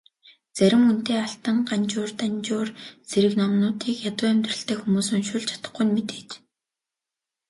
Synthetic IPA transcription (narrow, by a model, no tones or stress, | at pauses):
t͡sæɾʲɪ̆mun̥t̪eːaɬt̪ə̆ŋɢant͡ɕʊːrt̪ant͡ɕʊːrt͡seɾɘ̆knɔmnʊːt̪ʰiːkjat̪ʊːæmʲt̪rə̆ɬt̪eːxumuːsɵ̆nʃʊɮt͡ɕʰḁt̪ə̆χɡujnmet̪e̥ːt͡ɕ